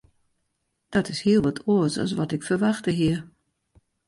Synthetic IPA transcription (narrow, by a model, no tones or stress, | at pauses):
d̥ɔtɪshiəlˠʋɔtʰoəsɔ̰s̬ʋɔtɪkfərʋaxtəɦiə